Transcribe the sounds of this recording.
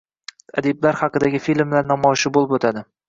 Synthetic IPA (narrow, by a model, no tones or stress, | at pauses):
a̰d̪eblaɾhɑqɨd̪aɡʲɪfilmlaɾnɒmɒjɪʃɪbolˠɪpot̪ʰad̪ɪ